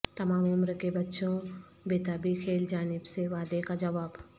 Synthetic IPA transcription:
t̪ɐmaːmʊmɾkebɐtːʃõ | beːt̪aːbikʰeːld͡ʒaːnɪbseʋaːd̪ekad͡ʒɐʋaːb

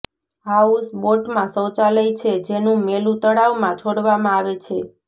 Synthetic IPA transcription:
ɦausboʈmãsəwt͡ʃaləjt͡ʃʰed͡ʒenũmelũt̪əɽaʋmãt͡ʃʰoɽʋamãaʋet͡ʃʰe

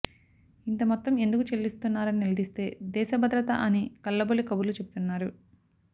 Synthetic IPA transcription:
int̪ɐmɔt̪ːɐme̞nd̪ukut͡ʃelːist̪unːaːɾɐninilɐd̪ist̪e̞ːd̪ɛːʃɐbʱɐd̪ɾɐt̪ɐ̰ʔɐnikɐlːɐbolikɐbulut͡ʃe̞but̪unːaːɾu

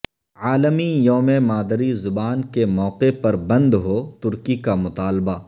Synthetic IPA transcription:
aːləmijoːmemaːd̪ɾizʊbaːnkemɔːqepɐɾbɐ̃nd̪ɦot̪ʊɾkikamʊt̪aːlba

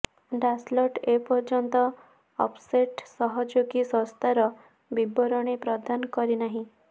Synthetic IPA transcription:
ɖaslɔʈepɔɾd͡ʒɔnt̪ɔ | ɔ̰pseʈsɔɦɔd͡ʒoɡisɔ̃st̪ʰaɾɔ | bibɔɾɔɽ̃ipɾɔd̪ʱankɔɾinaɦĩ

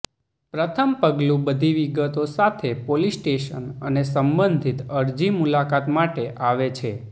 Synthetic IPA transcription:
pɾət̪ʰəmpəɡlũbəd̪ʱiʋiɡət̪osat̪ʰepolisʈeʃənənesəmbənd̪ʱit̪əɾd͡ʒimulakat̪maʈeʔaʋet͡ʃʰe

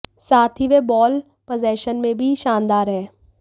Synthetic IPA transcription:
saːt̪ʰɦiʋebɔːl | pəzɛːʃənmẽbʱiʃaːnd̪aːɾɦɛː

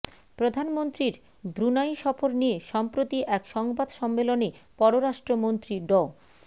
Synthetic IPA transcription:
pɾod̪ʱanmont̪ɾiɾ | bɾunajʃɔfoɾnieʃɔmpɾot̪iʔɛkʃɔŋbad̪ʃɔmːelonepɔɾoɾaʃʈɾomont̪ɾiɖɔ

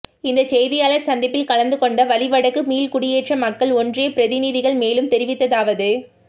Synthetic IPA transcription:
ɪnd̪ɐt͡ʃɛjðɪjaːlɐɾsɐnd̪ɪpːɪlkɐlɐnd̪ɯkɔɳɖɐʋɐlɪʋɐɽɐkːɯmiːlkʊɽɪjeːʈrɐmɐkːɐɭɔndrɪjɐpɪɾɐðɪniːðɪɣɐɭmeːlɯmt̪ɛɾɪʋɪt̪ːɐðaːʋɐðɯ

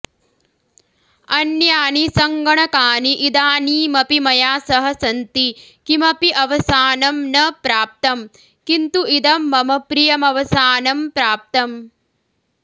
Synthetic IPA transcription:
ɐnjaːnisɐŋɡɐɳɐkaːniʔid̪aːniːmɐpimɐjaːsɐɦɐsɐnt̪ikimɐpiʔɐʋɐsaːnɐmnɐpɾaːp̚t̪ɐm | kint̪uʔid̪ɐmːɐmɐpɾijɐmɐʋɐsaːnɐmpɾaːp̚t̪ɐm

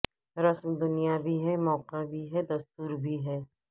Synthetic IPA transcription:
ɾɐsmd̪ʊnijabʱiɦɛmɔːqabʱiɦɛd̪ɐst̪uːɾbʱiɦɛː

